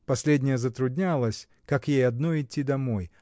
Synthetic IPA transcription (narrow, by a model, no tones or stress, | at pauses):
pɐsʲlʲedʲnʲɪjəzət̪ɾʊd̪ʲnʲalˠəsʲ | kakjejɐd̪noɪtʲːid̪ɐmoj